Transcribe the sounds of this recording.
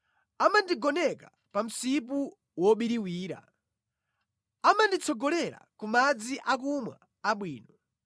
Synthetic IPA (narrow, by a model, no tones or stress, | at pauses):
amandiɡɔnɛka | pam̩sip̬u | wɔɓiɾiwiːɾa̰ | amandit͡sʰɔɡɔlɛɾa̰kumad͡ziʔak̬umwa̰ː | ɓwiːnɔ